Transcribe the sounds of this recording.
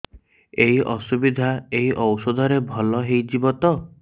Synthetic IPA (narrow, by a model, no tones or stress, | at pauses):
eɦiʔɔsubid̪ʱaeɦiʔɔwsɔd̪ʱɔɾebʱɔlɔɦejd͡ʒibɔt̪ɔ